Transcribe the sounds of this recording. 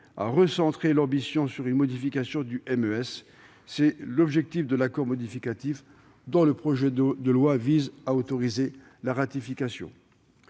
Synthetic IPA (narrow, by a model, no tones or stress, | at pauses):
a̰ʁəsɑ̃t̪χelɑ̃bisjɔ̃syʁynmɔd̪ifikʲasjɔ̃d̪yʔɛmøɛsː | ɛlɔbʒɛk̚t̪ifd̪əlakɔʁmɔd̪ifikʲat̪if | d̪ɔ̃ləpχɔʒɛd̪əlwavizaot̪ɔʁize | laʁat̪ifikʲasjɔ̰̃